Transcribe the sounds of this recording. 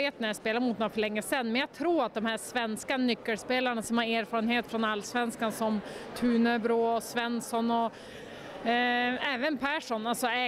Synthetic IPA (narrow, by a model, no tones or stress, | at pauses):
eːt̪̚næɾjaspeːlaɾəmʊt̪nːfœɭɛŋːəsɛnːmɛnjaɡt̪ʰɾuːat̪̚d̪ɔmhæʂvɛnskanʏkːəlspeːlaɳasɔmhaɾeːɾfɑːɾənheːt̪fɾɔnalːsvɛnskansɔmt̪ʰʉːnəbɾoːɔsvɛnsɔnɔ | ɛːvənpʰæʂɔnalsɔɛ